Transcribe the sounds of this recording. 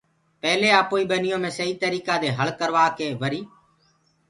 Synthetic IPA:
pɛːleːaːpoːiːɓənɪjõːmẽːsəiːt̪əɾiːkaːd̪eːɦəɭkəɾʋaːkeːʋəɾiː

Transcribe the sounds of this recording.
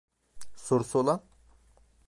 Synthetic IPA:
soɾusolˠan

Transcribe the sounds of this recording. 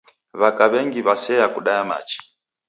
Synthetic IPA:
βakaβɛŋɡiβasɛjakuɗajama̰t͡ʃi̥

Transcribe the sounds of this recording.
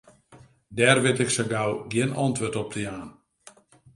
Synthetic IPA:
dɛrʋɪtɪksəɡawɡjɪnɔ̰ntʋøtɔp̚dəjaːn

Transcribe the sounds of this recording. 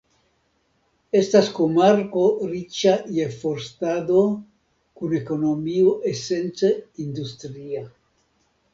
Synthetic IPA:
e̞staskomaɾko̞ɾit͡ʃajefo̞ɾstado̞ | kune̞ko̞no̞mioʔe̞se̞nt͡seind̪ustɾia

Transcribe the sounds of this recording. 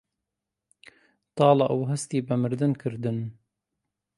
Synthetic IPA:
t̪ɑːlɑʔuwɦɛst̪iːbɐmɨɾd̪ɨnkʰɨɾd̪ɨn

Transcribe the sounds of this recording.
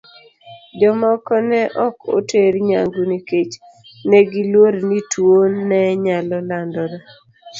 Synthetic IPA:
d͡ʒɔmɔkɔnɛʔɔko̰teɾɲa̰ŋɡuniket͡ʃ | nɛɡilwoɾnitwonːɛɲalɔlandɔɾa

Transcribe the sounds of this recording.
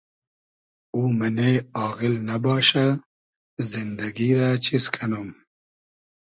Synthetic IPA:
uːməneɑːɣɪlnɐbɑːʃa | zind̪ɐɡiɾat͡ʃʰiskʰɐnum

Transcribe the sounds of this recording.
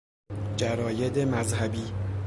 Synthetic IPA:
d͡ʒæɾɒːjed̪emæzhæbiː

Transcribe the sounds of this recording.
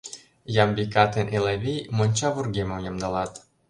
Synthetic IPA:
jɑmbikɑt̪enʔeleβʲejmonʲt͡ɕɑβurɡemə̆mjɤmd̪ɑlɑt̪

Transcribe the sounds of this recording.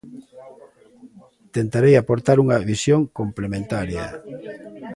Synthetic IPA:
t̪ent̪aɾejapoɾt̪aɾuŋɐβisjoŋkomplemẽnt̪aɾjɐ

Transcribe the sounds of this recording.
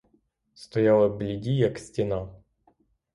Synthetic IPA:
st̪ɐjalˠəblʲɪdʲijaksʲtʲɪna

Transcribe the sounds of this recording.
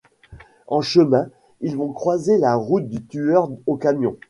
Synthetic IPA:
ɑ̃ʃəmɛ̃ | ilvɔ̃kχwazelaʁut̪̚d̪yt̪yœʁokamjɔ̃

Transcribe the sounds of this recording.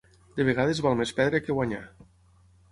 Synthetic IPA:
d̪eβ̞eɣaðezβɔlˠmespɛðɾekeɣwaɲa̰

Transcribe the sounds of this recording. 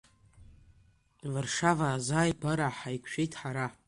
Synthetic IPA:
vɨrʂavaːzaːjɡaɾaħajkʷʰʃᶣejtʰʼħaɾa

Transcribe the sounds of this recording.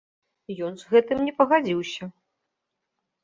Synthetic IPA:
jɔnzɣɛt̪ɨmnʲɛpɐɣad͡zʲiwsʲɐ

